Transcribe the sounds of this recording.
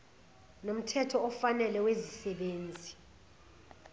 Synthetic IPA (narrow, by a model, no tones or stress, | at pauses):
nom̩tʰɛtʰɔɔfanɛlɛwezisɛɓeːnd͡zʱi